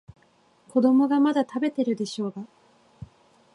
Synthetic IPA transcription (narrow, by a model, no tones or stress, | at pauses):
ko̞d̪o̞mo̞ɡamad̪at̪abe̞t̪e̞ɾɯ̟d̪e̞ɕo̞ːɡa